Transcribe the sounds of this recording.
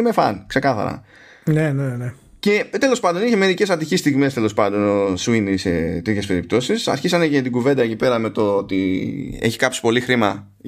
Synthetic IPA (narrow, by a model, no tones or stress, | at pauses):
mefɐ̰nkse̞kɐθɐ̰ɾɐ̰ | nenene | cet̪e̞lo̞spɐnd̪o̞niçemeɾice̞sɐt̪içist̪iɣme̞st̪e̞lo̞spɐnd̪o̞nosuinisḛt̪ɾit̪çespe̞ɾip̚t̪o̞sisɐ̰sçisɐnecet̪iɡuve̞nd̪ɐe̞cipe̞ɾɐme̞t̪oot̪iḛçi̥kɐpsi̥po̞lixɾimɐ